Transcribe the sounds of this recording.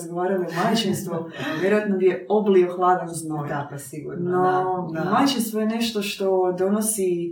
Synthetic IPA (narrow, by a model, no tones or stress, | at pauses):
zɡoʋaːɾalid̪omat͡ʃinst̪ʋoʋjeɾojat̪nobijeoblioxlˠaːd̪amznoʋ | siɡṵɾnod̪omat͡ʃinst̪ʋojene̞ʃt̪o̞ʃt̪o̞d̪o̞nosi